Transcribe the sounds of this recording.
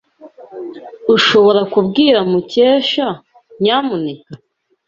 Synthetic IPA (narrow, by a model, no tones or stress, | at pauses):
uʃo̞βo̞ɾakubɡiːɾamuceːʃa | ɲaːmuneka